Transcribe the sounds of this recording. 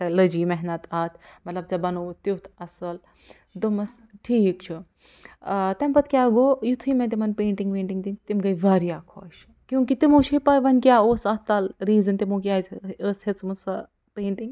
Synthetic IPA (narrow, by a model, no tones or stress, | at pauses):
tɐlɐd͡ʒiːmɛɦnɐt̪aːt̪ʰmɐt̪lɐbt͡sɐbɐnoːt̪ut̪ʰɐsɐl | d̪omɐsʈʰiːkt͡ʃʰu | t̪ɐmpɐt̪̚ʰkʲaːɡoːjut̪ʰɨmẽt̪imɐnpeːɳʈiŋɡpẽːɳʈiŋɡt̪int̪imɡɐjʋaːɾijaːkʰoːʃ | kjũːkit̪imoːʃʰipaːjʋɐnkʲjaːoːsɐt̪alɾiːzɐnt̪imoːkjaːzəːshet͡smɐsɐ | peːɳʈiŋɡ